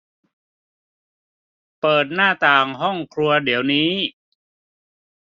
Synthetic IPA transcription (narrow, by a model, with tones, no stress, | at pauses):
pɤː˨˩t̪̚naː˥˩t̪aː˨˩ŋɦɔ˥˩ŋkʰɾu˧ɐdi˩˦əwniː˦˥